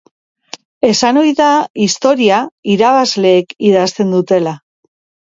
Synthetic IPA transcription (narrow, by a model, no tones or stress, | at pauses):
e̞sano̞jðaist̪o̞ɾiaiɾaβ̞azle̞ːkiðast̪e̞nd̪ut̪e̞la